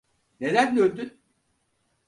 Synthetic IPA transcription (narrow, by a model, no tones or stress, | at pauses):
ned̪ænd̪øld̪yn